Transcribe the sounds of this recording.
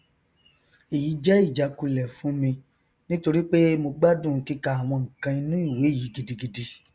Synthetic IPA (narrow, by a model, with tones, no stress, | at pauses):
i˨ji˨˦d͡ʒɛ˦i˦˨d͡ʒa˨˦ku˨˧lɛ˨fũ˨˦mĩ˧ | nĩ˦to˧ɾi˦k͡pe˦mo˧ɡ͡ba˦dũ˦˨˦ki˦ka˧a˨w̃ɔ̃˧ŋ̩̃˨kã˧i˧nũ˦i˦˨we˨˦˨ji˨˦ɡi˧di˧ɡi˧di˧